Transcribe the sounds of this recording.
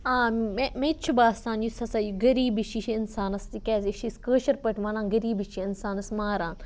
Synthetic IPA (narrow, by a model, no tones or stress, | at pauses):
ãːemẽt͡ʃʰubaːst̪aːnjusɐsajuɡɐɾiːbiʃʰiʃʰiɪnsaːnɐst̪ikɛːziʃiskəːʃɐɾpɐʈʰʋãːnaːnɡɐɾiːbit͡ʃʰiɪnsaːnɐsmaːɾaːn